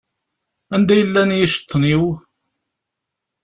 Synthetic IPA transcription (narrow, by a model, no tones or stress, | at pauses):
ænd̪æjəlːænjiʃə̥t̪ˤːniw